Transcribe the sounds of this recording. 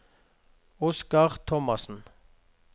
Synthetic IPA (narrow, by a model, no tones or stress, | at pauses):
ʊskɑʁt̪ʰɔmɑsn̩